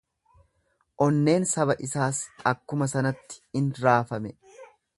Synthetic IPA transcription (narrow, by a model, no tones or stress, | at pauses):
ʔɔnːe̞ːnsɐbɐʔɪsaːsɐkːʊmɐsɐnɐt̪ːɪ̥ɪnɾaːfɐmɛ